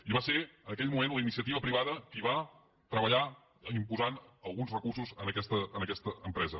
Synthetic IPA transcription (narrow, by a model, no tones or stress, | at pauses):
iβaseənəkɛʎmumenləinisiət̪iβəpɾiβ̞aðəkiβ̞a | t̪ɾəβəʎa | impuzanəlˠɣunzrəkursuzənəkɛst̪əənəkɛst̪əəmpɾɛzə